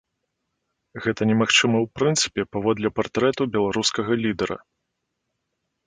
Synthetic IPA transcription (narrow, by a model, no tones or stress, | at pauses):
ɣɛt̪ɐnʲɛmaxt͡ʂɨmɐwpɾɨnt̪sɨ̥pʲɛpavɔd̪lʲɛpart̪ɾɛt̪ubʲɛlˠaɾuskɐɣɐlʲid̪ɛɾɐ̰